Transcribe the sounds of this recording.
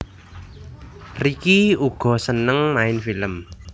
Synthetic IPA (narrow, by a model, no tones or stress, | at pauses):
rikiuɡ̥ɔ̤sənəŋmaɪnfiləm